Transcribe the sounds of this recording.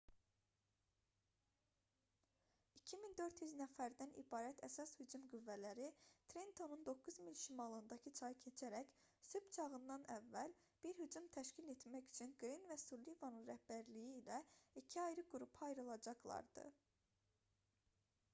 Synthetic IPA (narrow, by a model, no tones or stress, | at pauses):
icʰimind̪ø̞ɾt̪jyznæfæɾd̪ænḭbɑːɾæt̪ʰæ̰sɑshyd͡ʒumɡyvːælæɾit̪ʰɾent̪ʰo̞nund̪o̞kʰːuzmilʃimɑlˠɯnd̪ɑcʰɯt͡ʃʰɑjɯcʰe̞t͡ʃʰæɾæç | sybt͡ʃʰɑɣɯnd̪ɑnævːæl | b̥iɾhyd͡ʒumt̪ʰæʃcile̞t̪mæcy̥t͡ʃʰynɡɾinvæsulivɑnɯnɾæhbæɾlijiːlæicʰiɑjɾɯɡuɾupʰɑjɾɯlˠɑd͡ʒɑqlˠɑ̰ɾd̪ɯ̰